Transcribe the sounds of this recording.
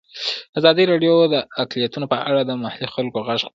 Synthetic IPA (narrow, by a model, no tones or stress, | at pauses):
azɑd̪iɾɑɖjod̪əaklijat̪unopəʔaɽad̪əmahalixalkoɣaʐ